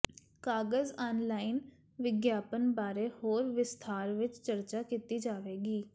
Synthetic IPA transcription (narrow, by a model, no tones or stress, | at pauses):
kaːɡəzaːnlaːɪn | ʋɪɡjaːpənbaːɾeːhoːɾʋɪst̪ʰaːɾʋɪt͡ʃt͡ʃəɾt͡ʃaːkiːt̪iːd͡ʒaːʋeːɡiː